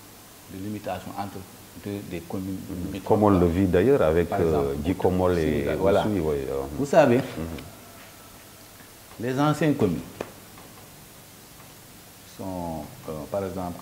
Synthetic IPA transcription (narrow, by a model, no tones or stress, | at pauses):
dəlimitasjɔ̃ʔãntɾ | dədekominitkɔmɔlːəvidajəːɾavɛkd͡ʒikɔmɔlewalaiwa̰vusave | lɛzãsjɛ̃ŋkomin | sɔ̃ | paɾɛɡzãːp